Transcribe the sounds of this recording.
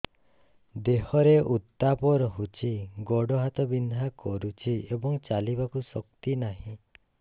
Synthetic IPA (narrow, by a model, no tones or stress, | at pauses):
d̪ehɔɾeut̪ːapɔɾɔɦut͡ʃʰiɡɔɽɔɦat̪ɔbind̪ʱakɔɾut͡ʃʰiebɔŋt͡ʃalibakusɔkt̪inaɦĩ